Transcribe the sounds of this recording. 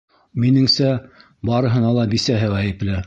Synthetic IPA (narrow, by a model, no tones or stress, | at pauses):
minɘŋsæ | bɑɾɤ̆ɦɤ̆nɑlˠɑbisæɦɘʁæjɘ̆plɘ